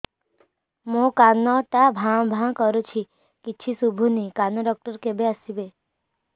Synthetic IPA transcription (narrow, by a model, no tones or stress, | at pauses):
mõkanːɔt̪abʱãw̃bʱãkəɾut͡ʃʰi | kit͡ʃʰisubʱunikanɔɖɔk̚ʈəɾkebeəsibe